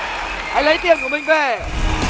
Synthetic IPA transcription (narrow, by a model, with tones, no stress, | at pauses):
ʔa˧jlə˨˦jt̪̬ḭ˧˨ənku˧˩əmï˨˩ŋ̟ve˨˩